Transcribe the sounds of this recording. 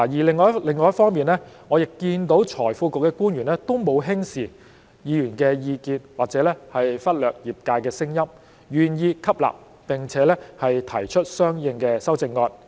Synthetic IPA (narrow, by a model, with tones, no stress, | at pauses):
a˨˩jiː˨˩lɪ˨˧ŋːɔː˧jɐ˥lɪ˨˧ŋːɔː˧jɐ˥tfɔː˥ŋmiː˨nlɛː˥ŋɔː˨˧jɪ˨kːiː˧nt̪o˨˥wt͡ʃʰɔː˨˩jfuː˧ko˨k̚ːɛː˧kuː˥njyː˨˩nlɛː˥t̪o˥wmo˨˧wɦɪ˥ŋsiː˨ | jiː˨˧jyː˨˩nkɛː˧jiː˧kiː˧nwaː˨k̚t͡sɛː˨˥lɛː˥hɐ˨jfɐ˥t̚lœː˨k̚jiː˨p̚kaː˧jkɛː˧sɪ˥ŋjɐ˥m | jyː˨˩njiː˧kʰɐ˥p̚la̰ː˨p̚ | pɪ˨ŋt͡sʰɛː˨˦lɛː˥hɐ˨jt̪ʰɐ˨˩jt͡ʃʰɵ˥t̚sœː˥ŋjɪ˧ŋkɛː˧sɐ˥wt͡sɪ˧ŋːɔː˧n̚